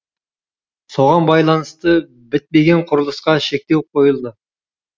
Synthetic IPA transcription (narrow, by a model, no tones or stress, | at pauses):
soʁɑnbɑjlˠɑnəst̪ə | bɪt̪̚me̞ɡʲeɴqʰʊɾəlˠəsqɑʃe̞k̚ʲt̪e̞w̚qʰo̞jəlˠd̪ə